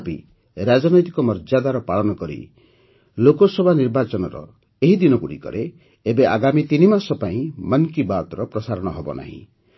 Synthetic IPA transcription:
pḭ | ɾad͡ʒɔnɔjt̪i̥kɔmɔɾd͡ʒad̪aɾɔpaɭɔnɔkɔɾḭ | lokɔsɔbʱaniɾbat͡ʃɔnɔɾɔ̰ | eɦid̪inɔkuɽḭkɔ̰ɾe | ebeʔa̰ɡamit̪inimasɔpaĩmʌnkibat̪ɔɾɔpɾɔsaɾɔɽ̃ɔɦɔbɔ̰na̰ɦḭ̃

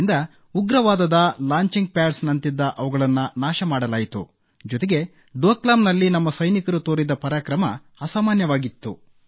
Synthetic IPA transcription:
nd̪ɐ | uɡɾɐʋaːd̪ɐd̪ɐlaːɲt͡ʃiŋɡ̚pjaːɾsnɐnt̪id̪ːɐʔɐʋɐɡɐɭɐnːɐnaːʃɐmaːɽɐlaːjit̪ṵ | d͡ʒɔt̪eɡe̞ | ɖoːklaːmnɐlːinɐmːɐsɐjnikɐɾut̪oːɾid̪ɐpɐɾaːkɾɐmɐ | ɐsaːmaːnjɐʋaːɡit̪ːṵ

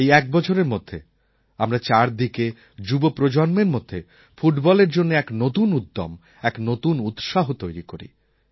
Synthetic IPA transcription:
ejɛk̚bɔt͡ɕʰoɾeɾmod̪ʱːḛ | amɾat͡ɕaɾd̪ike | d͡ʑubopɾod͡ʑonmeɾmod̪ʱːe | fuʈbɔleɾd͡ʑonːeɛknot̪unud̪ːo̰m | ɛknot̪unut̪ʃaɦot̪ojɾikoɾḭ

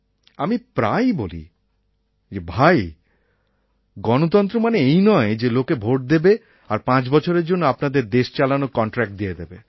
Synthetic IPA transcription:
amipɾajbolḭ | d͡ʑebʱaj | ɡɔnot̪̬ɔnt̪̬ɾomaneejnɔed͡ʑelokebʱoʈ̚d̪ebe | aɾpãt͡ɕbɔt͡ɕʰoɾeɾd͡ʑonːoapnad̪eɾd̪eʃt͡ɕalanokɔɳʈɾɛk̚ʈ̚d̪ijed̪ebe

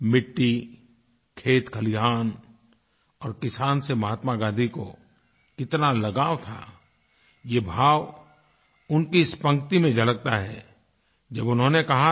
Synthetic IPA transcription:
mɪʈːi | kʰeːt̪kʰɐliɦaːn | ɔːɾkɪsaːnsemɐɦaːt̪maɡãːd̪ʱiko | kɪt̪nalɐɡaːwt̪ʰa̰ː | jebʱaːʋ | ʊnkispə̃ŋɡt̪imẽd͡ʒɐlək̚t̪aɦɛ̰ | d͡ʒɐbʊnɦõnekɐɦa

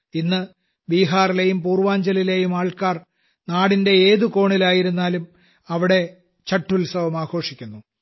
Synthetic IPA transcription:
inːɨ | biːɦaːrile̞jumpuːrʋaːɲd͡ʑɐlile̞jumaːɭkaːr | naːɽinde̞eːðuko̞ːɳilaːjiɾunːaːlum | ɐʋiɽe̞ | t͡ɕɐʈːulsɐʋɐmaːɡʰo̞ːʂikʲːunːu

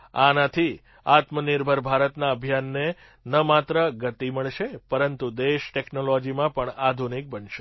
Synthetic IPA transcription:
anət̪ʰi | at̪mənɪɾbʱəɾbʱaɾət̪naəbʱjanːe | nəmat̪ɾəɡət̪iməɭʃepəɾənt̪ud̪eʃʈeknolod͡ʒimãpəɳad̪ʱunik̚bənʃe

